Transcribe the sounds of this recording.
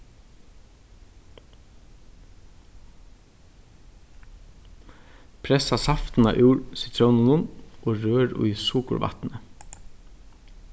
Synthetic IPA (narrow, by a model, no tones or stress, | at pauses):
pʰɾɛsasɑft̪nɑ̰ʔʉːɾsɪt̪ʰɾoːnʊnʊnʔoːɾøːɾʉ̰ʏsuːkʊ̰ɾʋɑ̰t̪nə